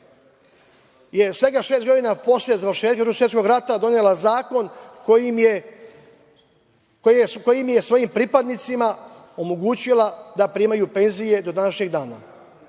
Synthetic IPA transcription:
je̞sʋe̞ɡaʃeːst̪ɡo̞d̪inapo̞sljezaʋɾ̩ʃe̞ːt̪̚kaɾuusjeko̞ɡɾat̪ad̪o̞nelazaːko̞nkoime | koko̞jimje̞sʋo̞jimpɾipad̪nit̪sima | o̞mo̞ɡuːt͡ɕilad̪apɾimajupe̞nzije̞d̪o̞d̪anaʃɲe̞ɡd̪aːna̰

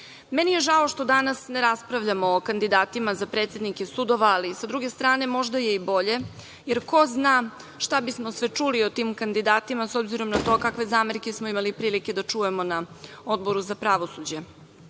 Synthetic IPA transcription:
menije̞ʒao̞ʃt̪o̞d̪anasneɾaspɾaʋʎamoːkand̪id̪aːt̪imazapɾeːt̪sʲe̞d̪nikesud̪o̞ʋaːlisad̪ɾuɡest̪ɾaːne̞mo̞ʒd̪aje̞ibo̞ʎe̞ | jeɾko̞zna | ʃt̪abismosʋɛt͡ʂuliot̪iːmkand̪id̪aːt̪imasobziɾo̞mnat̪o̞kakʋe̞zaːmeɾkesmoimalipɾiːlike̞d̪at͡ʂuje̞mo̞na | o̞d̪̚bo̞ɾuzapɾaʋo̞sud͡ʑe

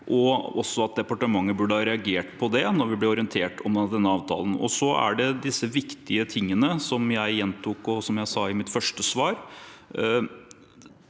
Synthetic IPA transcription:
ʔɔɔ̰sːɔɑt̪̚d̪ɛpɑʈəmɑŋːəbʉɖəhɑɾɛɑɡeːʈpʰɔd̪ɛnɔɾʋɪblɛɔɾɪənt̪ʰeːʈɔmd̪ɛnːəɑːʋt̪ʰɑ̰ːlən̩ɔ̰sɔæ̰ɖɛd̪ɪsːəʋɪkt̪ɪət̪ʰɪŋːənəsɔmjæɪjɛnt̪ʰʊkɔsɔmjæɪsɑɪmɪt̪fœʂʈəsʋɑːɾ

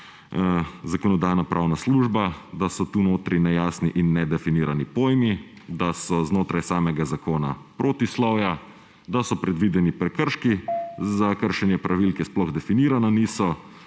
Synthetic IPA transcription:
zakɔnɔd̪aːjnapɾʔawnasluʒbad̪asɔt̪unoːt̪ɾinɛjaːsniʔinːɛd̪ɛfiniːɾanipoːjmi | d̪asɔznoːt̪ɾajsaːmɛɡazakoːnapɾoːt̪islɔwja | d̪asɔpɾɛd̪ʋid̪ɛnipɾɛkəɾʃkizakəɾʃɛnjɛpɾʔaʋilkɛsplɔɣd̪ɛfiniːɾananiːsɔ

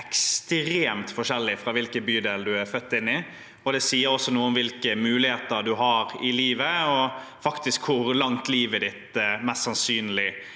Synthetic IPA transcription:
ɛkst̪ɾeːmt̪fɔʂɛlːɪfɾɑʋɪlkəbyːd̪eːld̪ʉæɾfœt̪ːɪnːɪ | ɔd̪ɛsiːəɾɔsːɔnuːəɔmʋɪlkəmʉːlɪheːt̪əɾd̪ʉɦɑɾɪliːʋəɔ | fɑkt̪ɪskʰhʊɾlɑŋt̪liːʋəd̪ɪt̪mɛst̪ːsɑnsyːnlɪ

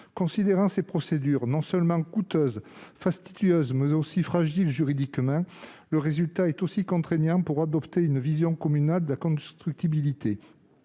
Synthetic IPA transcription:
kɔ̃sid̪eʁɑ̃sepχɔsed̪yʁnɔ̃sœlmɑ̃kut̪øzfast̪id̪yøzmɛzosifχaʒilʒyʁid̪ikmɑ̃ | ləʁezylt̪aɛt̪osikɔ̃t̪χenjɑ̃puʁad̪ɔpt̪eynvizjɔ̃kɔmynald̪əlakɔ̃st̪χyk̚t̪ibilit̪ʰe

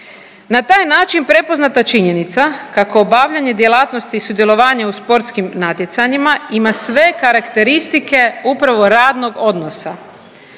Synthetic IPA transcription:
nat̪aːjnaːt͡ʃinpɾe̞po̞znat̪at͡ʃiɲe̞nit̪sakakoːbaʋʎaɲe̞d̪je̞lˠaːt̪no̞st̪iːsud̪je̞lo̞ʋaːɲauspo̞ɾt̪skimnat̪jet̪saɲimaimasʋe̞kaɾakt̪e̞ɾist̪ike̞upɾaʋo̞ɾaːd̪no̞ɡo̞d̪no̞sa

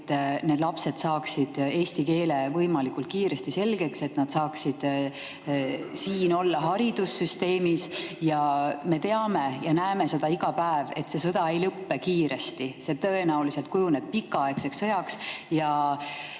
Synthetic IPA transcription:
t̪ːˑne̞ːd̪lɑpse̞d̪̥sɑːksid̪̥e̞ːst̪ike̞ːle̞vɤjmɑlikult̪̚kiːɾe̞st̪ise̞lɡe̞kse̞t̪ˑnɑd̪̥sɑːksid̪̥ | siːno̞lːɑɦɑɾid̪̥usːyst̪e̞ːmisjɑme̞t̪e̞ɑme̞jɑnæeme̞se̞d̪̥ɑiɡ̥ɑpæeve̞t̪se̞sɤd̪̥ɑe̞jlɤpːe̞kiːɾe̞st̪ise̞t̪ɤe̞næulise̞lt̪̚kujune̞b̥̚pikːɑɑe̞kseksːɤjɑksjɑ

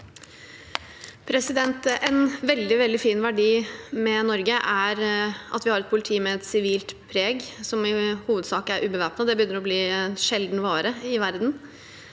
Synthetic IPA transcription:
pʰɾɛsɪd̪ɛnt̪ɛnʋɛld̪ɪʋɛld̪ɪfiːnʋæɖiːmɛnɔɾɡəʔæɾʔɑ̰t̪ʋɪhɑɾɛt̪̚pʰʊlɪt̪ʰiːmɛɛt̪sɪʋiːlt̪pʰɾeːɡsɔmɪhuːʋəd̪sɑːkəæɾʔʉːbəʋæːpnɑd̪ɛbəʏnːəɾɔbliːɛnʂɛld̪n̩ʋɑːɾəɪʋæɾd̪n̩

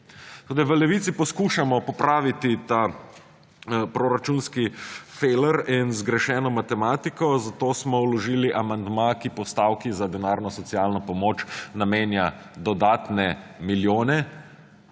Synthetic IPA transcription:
t̪oːd̪ajʋəlɛʋit̪sipɔskuʃamɔpɔpɾaːʋit̪it̪a | pɾoɾat͡ʃunskifeləɾinzɡɾɛʃɛːnɔmat̪ɛmaːt̪ikɔzat̪oːsmɔwlɔʒiːliʔamand̪makipɔst̪awkizad̪ɛnaːɾnɔsɔt̪sialnɔpɔmoːt͡ʃnameːnja | d̪ɔd̪aːt̪nɛmiljoːnɛ

